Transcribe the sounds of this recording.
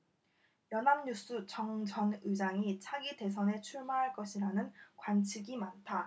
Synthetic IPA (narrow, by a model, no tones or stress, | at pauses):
jʌnamɲus͈ʰut͡ɕʌŋd͡ʑʌnɯd͡ʑaŋit͡ɕʰaɡide̞s̬ʰʌne̞t͡ɕʰuɭmaɦaɭk͈ʌɕʰiɾanɯnkwant͡ɕʰiɡimantʰa